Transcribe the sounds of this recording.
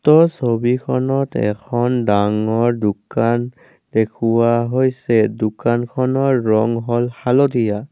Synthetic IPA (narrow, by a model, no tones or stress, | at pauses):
tɔsobikʰɔnɔtɛ̰kʰɔndaŋɔɹdukan | dekʰuwaɦojsɛdukankʰɔnɔɹːɔŋɦɔlhalɔdija